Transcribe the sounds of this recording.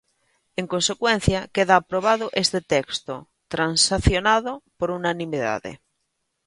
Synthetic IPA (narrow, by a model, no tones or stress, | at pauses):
eŋkonsekwen̟θjakeðaːpɾoβ̞aðoʔest̪et̪ekst̪o | t̪ɾansaθjonaðopoɾunanĩmiða̰ðḛ